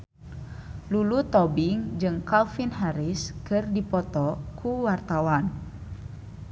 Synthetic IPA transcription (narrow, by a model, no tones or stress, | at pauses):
lulut̪ɔbiŋd͡ʒɨŋkalfinɦaɾiskɨrdipɔt̪ɔkʰuwart̪awan